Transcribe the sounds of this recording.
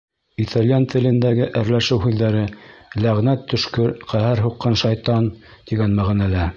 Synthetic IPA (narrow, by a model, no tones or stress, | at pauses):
it̪ɑlʲjɑnt̪ɘ̆lɘ̆nd̪æɡɘʔɘɾlæʃɘwɦʉðːæɾɘlæʁnæt̪ʰːɵ̆ʃkɵɾqæhæɾɦuqːɤnʃɑjt̪ɑn | t̪iɡænmæʁnælæ